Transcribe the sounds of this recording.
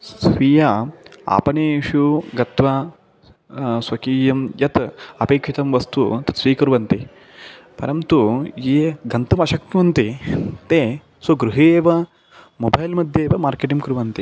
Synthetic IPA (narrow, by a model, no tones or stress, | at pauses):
sʋijaːa̰ːpɐneːʃuɡɐt̪ʋaː | sʋɐkiːjɐmjɐt̪ɐpeːkʂit̪ɐmʋɐst̪ut̪ɐ̥siːkuɾʋɐnt̪i | pɐ̰ɾɐmt̪ujeːɡɐnt̪ɐmɐʃɐk̚t̪mɐnt̪it̪eː | sɐɡɾuɦeːʋɐ | mobɐjlmɐd̪ʱjeːʋɐmaːɾkeʈiŋkɾuʋɐnt̪i